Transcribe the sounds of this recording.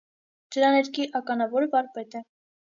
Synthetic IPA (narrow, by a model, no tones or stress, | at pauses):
d̪̥əɾɑnɛɾkʰiʔɑkɑnɑvɔɾvɑɾpɛt̪ɛ